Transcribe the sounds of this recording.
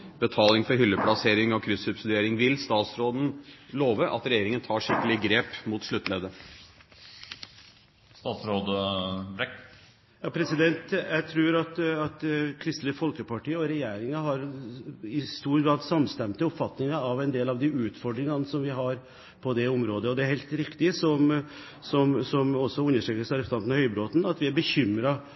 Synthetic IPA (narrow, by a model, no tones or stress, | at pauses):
b̥ət̪ʰɑːlɪŋfɔɾɦʏlːəpʰlɑseːɾɪŋɔkʰɾʏsʉbsɪd̪ʏeːɾɪŋʋɪlst̪ɑːt̪sɾoːd̪n̩loːʋəʔɑ̰t̪ɾɛjeːɾɪŋənt̪ʰɑːʂɪkːəlɪɡɾeːpmuːt̪ʂɭʉt̪ːleːd̪ə | st̪ɑːt̪sɾoːd̪əbɾɛk | jɑːpʰɾɛsɪd̪ɛnt̪jæɪt̪ʰɾʉːɾɑt̪ɑt̪kʰɾɪst̪ləfɔlkəpɑʈiːəɔɾɛjeːɾɪŋɑɦɑɾɪst̪uːɾɡɾɑːd̪sɑmst̪ɛmt̪əʊpfɑt̪nɪŋɑɑʋɛnd̪eːlɑʋd̪ɪʉːt̪fɔɖɾɪŋɑnəsɔmʋɪɦɑɾ | pʰɔd̪ɛʊmɾoːd̪əɔd̪ɛæɾhɛɪlt̪ɾɪkt̪ɪsɔm | sɔmsɔmɔsːɔʉnːəʂʈɾøːkəsɑɾɛst̪ɑnnhœʏbɾoːt̪nɑt̪ʋɪæɾbəçʏmɾɑ